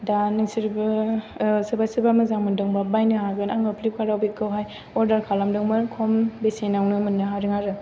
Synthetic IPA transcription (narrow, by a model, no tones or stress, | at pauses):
danɯsiɾb | sɯbasɯbamɯzaŋmɯndɯŋbabajnɯɦaɡɯnaŋɯpʰlip̚kʰaɾawbikːɯwɦaj | ɔɾdaɾkʰalamdɯŋmɯɾkʰombesenawnɯmɯnːɯɦaɾɯŋaɾɯ